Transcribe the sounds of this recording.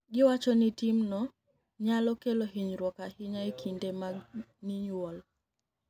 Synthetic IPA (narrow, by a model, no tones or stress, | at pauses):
ɡɪwat͡ʃɔnitimnɔ | ɲalɔkeloɦiɲɾwɔkahɪɲaekʰindemaɡniɲwɔl